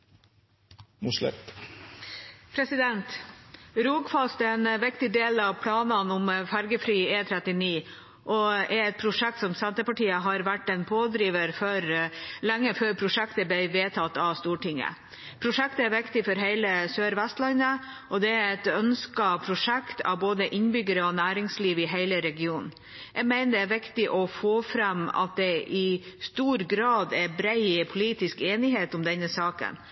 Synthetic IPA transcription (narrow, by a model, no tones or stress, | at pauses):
nuslɛ̰t | pʰɾɛsɪd̪ɛnt̪ɾuːɡfɑlst̪ɛɛnʋɪkt̪ɪd̪eːlɑʋpʰlɑːnənʊmfæɾɡəfɾyːeːt̪ʰɾɛt̪ɪniː | ʔɔɛɾɛt̪̚pʰɾʊʂɛk̚t̪sɔmsænt̪əpɑʈiːəɦɑɾʋæʈːɛnpʰoːd̪ɾiːʋəɾfɔɾlæŋːəføːɾpʰɾʊʂɛkt̪əblɛɪʋeːt̪ʰɑt̪ːɑʋst̪uːʈɪŋə̰ | pʰɾʊʂɛkt̪əæɾʋɪkt̪ɪfɔɾɦeɪləsøːɾʋæst̪lɑnːə | ʔɔd̪ɛæɾɛt̪œnskɑpʰɾʊʂɛkt̪ʰɑ̰ʋboːd̪əʔɪnbʏɡəɾəɔnæːɾɪŋsliːʋɪɦeɪləɾɛɡɪuːnn | jɛɡmæɪnəd̪ɛːɾʋɪkt̪ɪʔɔfoːfɾɛmɑ̰t̪̚d̪ɛʔɪst̪uːɾɡɾɑːd̪ɛbɾeɪpʰʊliːt̪ɪskeːnɪɦeːt̪ɔmd̪ɛnːəsɑːkə̰n